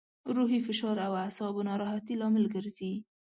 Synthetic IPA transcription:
ɾuɦifɪʃɑɾawasɑbonɑɾɑɦat̪ilɑmɪlɡəɾzi

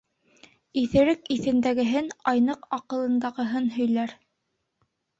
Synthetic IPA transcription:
iθɘ̆ɾɘkiθɘ̆nd̪æɡɘ̆ɦɘnɑjnɤqɑqɤ̆lˠɤ̆nd̪ɑʁɤ̆ɦɤnɦɵ̆jlæɾ

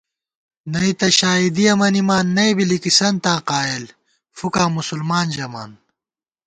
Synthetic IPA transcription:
nɐit̪ɐɕaːid̪iɐmɐnimaːnːɐibilikisɐnt̪ãːqaːil | fukãːmusulmaːnd͡ʑɐma̰ːn

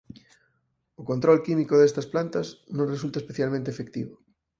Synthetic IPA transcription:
okont̪ɾɔlkimikoðest̪ɐsplant̪ɐsnõŋresult̪ɐespeθjalmẽnt̪eːfek̚t̪ḭβʊ

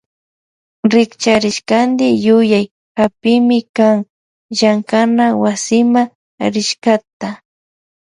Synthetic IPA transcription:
ɾɪkt͡ʃaɾɪʃkand̪ɪjʊjaj | xapɪmɪkaŋ | ʒaŋkanawasɪma | ɾɪʃkat̪a

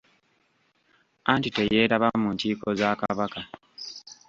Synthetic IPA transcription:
antite̞je̞ːɾaβamːuntiːko̞zaːkaβaka

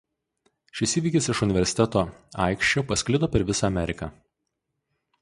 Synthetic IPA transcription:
ʃʲɪsʲiːʋʲiːkʲɪsɪʃʊnʲɪʋʲɛɾʲsʲɪt̪ʲɛt̪oːɑ̰ˑɪkʃʲt͡ʃʲoːpɐsʲkʲlʲɪd̪oːpʲɛɾʋʲɪsɑːmʲɛɾʲɪkɐ

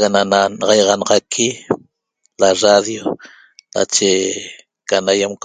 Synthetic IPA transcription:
ɣanananɑʁɑjʁɑnɑʁɑkʰi | laraðjo | na̰t͡ʃe | kanajamk

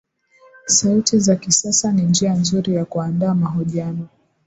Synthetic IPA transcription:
sautizakisasanind͡ʒianzuɾijakuandaːmaɦɔʄianɔ

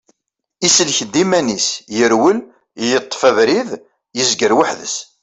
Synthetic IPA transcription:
isəlçəd̪ːimænisjəɾwəl | jət̪ˤːfævɾið | jəzɡəɾwaħðəs

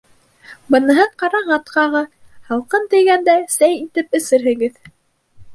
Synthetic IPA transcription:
bɤ̆nɤ̆ɦɤɴqɑɾɑɴɑt̪qɑʁɤ | hɑlˠqɤnt̪ɘ̆jɡænd̪æsæjit̪ɘpɘ̆sɘɾɦɘ̆ɡɘð

